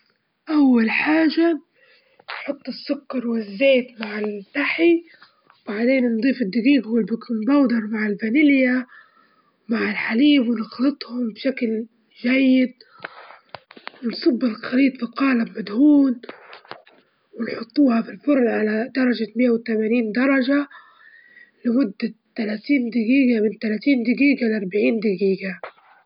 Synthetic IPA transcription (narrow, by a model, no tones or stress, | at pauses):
ʔawːalħaːʒa | nħʊt̪ˤːɨsːʊkːɑɾˤwɪzːeːt̪maʕɪld̪aħi | wb̥aʕd̪eːnnd̪ˤiːfɪd̪ːɪɡiːɡhwɪlbɪknbɑwd̪ɑɾˤmaʕɪlbanɪlɪja | wmaʕɪlħaliːbwɪnɪxlɨt̪ˤhʊmbʃakl | ʒajːɪd̪̚ | wɪnsˤɑbːɪlxaliːt̪ˤfiqɑːlabmad̪huːn | wɪnħʊt̪ˤːuːhɑfilfʊɾˤʔʕalad̪ɑɾˤɑʒamɪjːawɪt̪amaniːnd̪ɑɾˤɑʒa | lɪmʊd̪ːat̪ːalaːt̪iːnd̪ɪɡiːɡamɪnt̪alat̪iːnd̪ɪɡiːɡalʔɑɾˤbaʕiːnd̪ɪɡiːɡa